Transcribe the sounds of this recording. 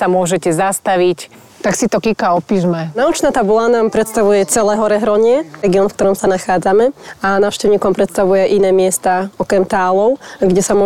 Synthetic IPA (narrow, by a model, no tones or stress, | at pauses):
samʊɔʒɛcɛzast̪aʋic | t̪aksit̪ɔkikaɔpiːʒmɛnaut͡ʃnaːt̪abulanaːmpɾɛt̪st̪aʋujɛt͡sɛlɛːɦɔɾɛɦɾɔɲɪɛɛɡiɔnfkt̪ɔɾɔmsanaxaːd͡zamɛanaːʊʃcɛʊɲiːkɔmpɾɛt̪st̪aʋujɛʔinɛːmɪɛst̪aːɔkɛmt̪aːlɔʊɡɟɛsamɔ